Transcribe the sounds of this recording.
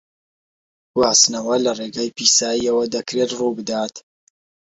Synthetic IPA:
ɡ̥waːsnɐwɐlɐreːɡaːjpiːsaːiɐwɐd̪ɐkɾet̪ruːbɨd̪aːt̪

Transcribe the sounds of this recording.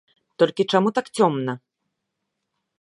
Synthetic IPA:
t̪ɔlʲkʲit͡ʂamut̪akt͡sʲɔmnɐ

